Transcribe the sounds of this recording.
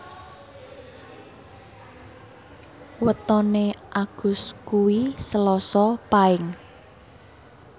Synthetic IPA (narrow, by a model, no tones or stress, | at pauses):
wət̪ɔneʔaɡ̥ʊ̤skuwisəlɔsɔpaɪŋ